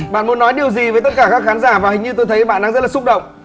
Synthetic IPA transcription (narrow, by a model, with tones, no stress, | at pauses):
ɓa̰ː˧˨nmu˨˦nːɔ˨˦jɗi˨˩əwzi˨˩və˨˦jt̪ə˦˥t̚kaː˧˩kaː˦˥kxaː˨˦nzaː˧˩vaː˨˩hï˨ŋ̟ɲɨ˧t̪o˧jt̪ʰə˨˦jɓa̰ː˧˨nɗaː˧ŋzə˦˥t̚laː˨˩sʊ˦˥k͡p̚ɗə̰˧˨wŋ͡m